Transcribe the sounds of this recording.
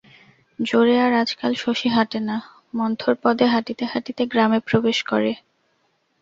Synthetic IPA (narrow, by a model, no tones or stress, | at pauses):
d͡ʑoɾeaɾad͡ʑkalʃoʃiɦaʈena | mɔnt̪ʰoɾpɔd̪ʱeɦaʈit̪eɦaʈit̪eɡɾamepɾobeʃkɔɾe